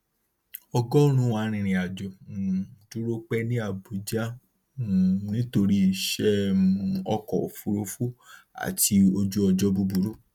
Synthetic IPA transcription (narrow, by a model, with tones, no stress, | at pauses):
ɔ˧ɡɔ˦ɾ̃ũ˦wa˨˦ɾ̃ĩ˧ɾ̃ĩ˨˧˨a˨d͡ʒɔ˨ | du˦ɾo˦k͡pɛ˦nĩ˦a˦˨bu˨d͡ʒa˦˨ | nĩ˦to˧ɾi˦˧˨ʃɛ˦˨˧ | ɔ˧kɔ˨o˨fu˧ɾo˧˦fu˦a̰˨ti˧o˧d͡ʒo˦ɔ˧d͡ʒɔ˦bu˦˧bu˨ɾu˦